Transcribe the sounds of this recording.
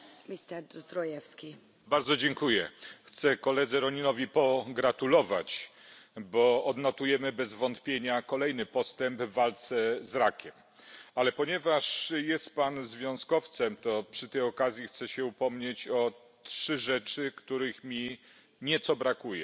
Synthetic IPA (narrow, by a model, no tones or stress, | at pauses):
mʲist̪ɛd̪sd̪ɾɔjɛfskʲi | baɾd̪zɔd͡ʑeŋkujɛ̰xt̪sɛkɔlɛd̪zɛɾɔɲinɔvʲipɔɡɾat̪ulɔva̰t͡ɕ | bɔːd̪nɔt̪ujɛmɘbɛzvɔnt̪pʲjeɲakɔlɛjnɘpɔst̪ɛmbvːalt̪sɛzɾakʲɛm | alɛpɔɲɛvaʂjɛst̪̚panzvʲjɔ̃w̃skɔft̪sɛmt̪ɔpʂɘt̪ɛjɔkazʲjixt̪sɛɕɛupɔmɲet͡ɕɔ | tʂɘʐɛt͡ʂɘkt̪uɾɘxmʲi | ɲɛt̪sɔbɾakujɛ̰